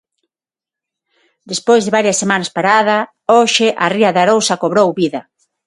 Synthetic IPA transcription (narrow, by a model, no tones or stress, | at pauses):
d̪espojzðɪβaɾjɐsːemanɐspaɾaðɐ | oʃɪʔariɐðaɾowsɐkoβɾowβiðɐ